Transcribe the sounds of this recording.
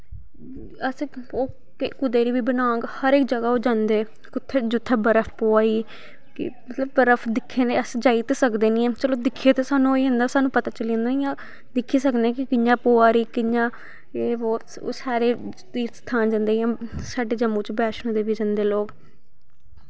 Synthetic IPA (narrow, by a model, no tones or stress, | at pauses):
əs | oː | kːkʊd̪eːɾiːbiːbənãːŋɡhəɾɪk̚d͡ʒəɡaːoːd͡ʒãːnd̪eː | kʊt̪ʰːeːd͡ʒʊt̪ʰːeːbəɾəfʰpoːaːiː | kɪ̰mət̪ləb̚ːəɾəfʰd̪ɪkʰːeːneəsd͡ʒaːit̪esəkd̪eːnĩːãːt͡ʃəloːd̪ɪkʰːeːt̪esaːnũoiɦə̃nd̪aːsaːnũːpət̪aːt͡ʃəlĩːnd̪aːnĩjãː | d̪ɪkʰːiːsəknɛːkɪkɪjãːpoːaːɾiːkɪɲãː | eːboː | o̰ːsaːɾeː | t̪iːɾst̪ʰaːnd͡ʒə̃nd̪eːjãːsaːɖeːd͡ʒəmũːt͡ʃbɛːʃnõːd̪eːʋid͡ʒənd̪eːloːk